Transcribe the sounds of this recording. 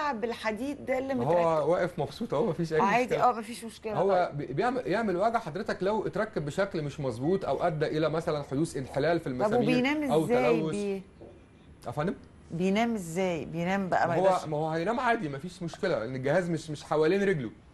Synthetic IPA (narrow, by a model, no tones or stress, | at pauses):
ʕbelħad̪iːd̪̚d̪æelːimehowːæwæːʔefmɑbsˤuːt̪ˤhowæmæfiːʃʔæjmʕmaːiʔæːmæfiːʃmoʃkelhowːæbebjeʕmjeʕmelwæːɡʕħɑd̪ɾet̪æklæwʔet̪ɾɑkːæbːeʃæklmeʃmɑzˤbuːt̪ˤʔæwʔæd̪ːæʔelæmæsælænħod̪uːsʔenħelæːlfilmæejnæːmeæwt̪ːæːæwːoe | ʔæfʕand̪em | bejnæːmezːæːjbejnæːmbæ̰ʔæ̰howːæowːæhæjnæːmʕaːd̪imæfiːʃmoʃkelæʔḛnːelɡːehæːzmeʃmeʃħawæliːnɾeɡlo